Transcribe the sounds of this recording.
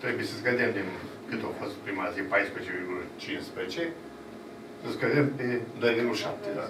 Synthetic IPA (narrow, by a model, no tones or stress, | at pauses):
t̪ɾebujesəsɡəd̪emd̪in | kɨt̪ofost̪pɾimat̪zipajspɾeet͡ʃeviɾɡulət͡ʃinspɾezet͡ʃe | səskəd̪emped̪ojd̪inuʃap̚t̪ed̪a